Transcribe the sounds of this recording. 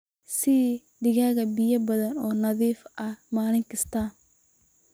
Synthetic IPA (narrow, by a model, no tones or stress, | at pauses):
sɪ | ɖɪɣaːɣɐbɪjɐbɐðɐnɔːnɐðiːfʔɐmaːlɪŋkʰɐst̪ʰaːn